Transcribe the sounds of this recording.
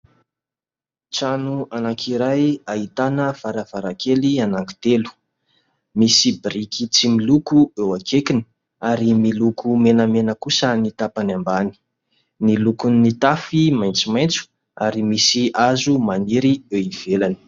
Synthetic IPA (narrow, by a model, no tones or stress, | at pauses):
t͡sanuanakʰiɾajaɦit̪anəfaɾəv̥aɾakelianaŋki̥t̪elu̥ | misibɾikit͡similukuewakʰekini̥ | aɾimilukʰumenəmenəkusənit̪apanambani̥ | nilukunnit̪afimajnt͡simajnt͡su̥ | aɾimisiazumaniɾieiv̥elani̥